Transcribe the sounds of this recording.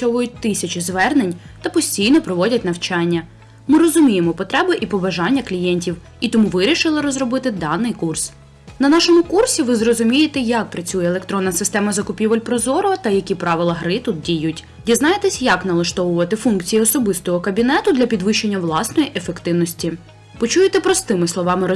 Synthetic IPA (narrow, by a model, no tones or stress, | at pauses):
ɔʋɐjʊt̚ʲt̪ɪsʲɐt͡ʃizʋɛrnenʲt̪ɐpɔsʲtʲijnɔpɾɔʋɔdʲɐt̚ʲnɐwt͡ʃɑnʲːɐ | mɪɾɔzʊmʲijemɔpɔt̪ɾɛbɐʔipɔbɐʒɑnʲːɐklʲijɛnʲtʲiw | it̪ɔmuʋɪɾʲiʃɪlˠɪɾɔzrɔbɪt̪ɪd̪ɑnːɪjkurs | nɐnɑʃɔmʊkursʲiʋɪzrɔzʊmʲijet̪ɛjɐk̚pɾɐt͡sʲujɛːlˠekt̪ɾɔnːɐsɪst̪ɛmɐzɐkʊpʲiʋɐlʲpɾɔzɔɾɔɐt̪ɐjɐkʲipɾɑʋɪlˠɐɦɾɪt̪ut̪̚dʲijutʲ | dʲiznɑjet̪ɛsʲjɐknɐlˠɐʃt̪ɔʋʊʋɐt̪ɪfunkt͡sʲijiɔsɔbɪst̪ɔɦɔkɐbʲinɛt̪ʊd̪lʲɐpʲid̪ʋɪʃt͡ʃːenʲːɐʋlˠɑsnɔjiʔefekt̪ɪwnɔsʲtʲi | pɔt͡ʃujet̪ɛpɾɔst̪ɪmɪslˠɔʋɑmɪ